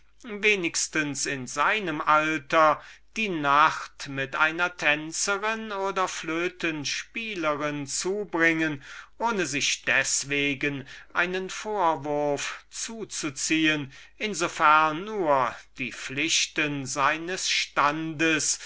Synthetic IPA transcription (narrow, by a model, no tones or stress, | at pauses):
veːnɪkstənsɪnzaɪnəmʔaltɐd̥iːnaχtmɪtʔaɪnɐtʰɛnt͡səʁɪnoːdɐfløːtʰənʃpiːləʁɪnt͡suːbʁɪŋənʔoːnəzɪʃd̥ɛsv̥eːɡənʔa̰ɪnənfoːɐvʊɐft͡suːt͡sut͡siːənʔɪnzofɛɐnːuːɐd̥iːflɪɕtənzaɪnəsʃtandəs